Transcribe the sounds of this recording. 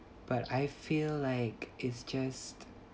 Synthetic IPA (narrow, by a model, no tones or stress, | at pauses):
b̥ataɪfilːaɪkɪtsd͡ʒast